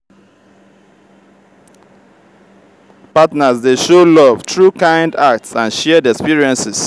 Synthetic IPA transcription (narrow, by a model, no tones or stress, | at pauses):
patnazdeʃolɔvtʰɹukãɪ̃ndak̚tsãnʃɛdɛkspiɹiɛ̃nsɪs